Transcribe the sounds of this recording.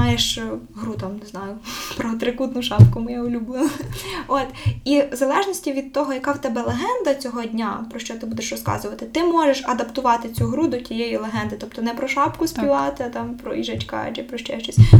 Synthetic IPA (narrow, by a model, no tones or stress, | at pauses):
ɑjeʃɦɾut̪ɑmneznɑjʊpɾɔɐt̪ɾɪkut̪nʊʃɑpkʊmɪjaʊlʲʊblˠɪlˠot̪izɐlˠɛʒnʲisʲtʲiʋʲid̪̚t̪ɔɦɔjɐkɑwt̪ɛbɛlˠeɦɛnd̪ɐt͡sʲɔɦɔdʲnʲapɾɔʃt͡ʃɔt̪ɪbud̪eʃrɔskɑ̰zʊʋɐt̪ɪt̪ɪmɔʒeʃɐd̪ɐpt̪ʊʋɑt̪ɪt͡sʲuɦɾud̪ɔtʲijejilˠeɦɛnd̪ɪt̪ɔpt̪ɔnɛpɾɔʃɑpkʊsʲpʲiʋɑt̪ɪɐt̪ɑmpɾɔ̰ʔiʒɐt͡ʃkɑ̰d͡ʒɛpɾɔʃt͡ʃɛʃt͡ʃɔsʲ